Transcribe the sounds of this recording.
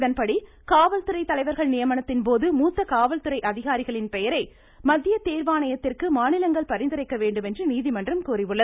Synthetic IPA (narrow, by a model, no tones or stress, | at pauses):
ðɐnpɐɽi | kaːʋɐlt̪ɯɾɐɪt̪ːɐlɐɪʋɐɾɣɐɭnɪjɐmɐnɐt̪ːɪnpoːðɯmuːt̪ːɐkaːʋɐlt̪ɯɾɐɪʔɐðɪɣaːɾɪɣɐɭɪnpɛjɐɾɐɪ | mɐðːɪjɐt̪eːɾʋaːɳɐjɐt̪ːɪrkɯmaːnɪlɐŋɡɐɭpɐɾɪnd̪ɪɾɐɪkːɐʋeːɳɖɯmɛndrɯniːðɪmɐndrɐmkuːrɪʋɯɭːɐð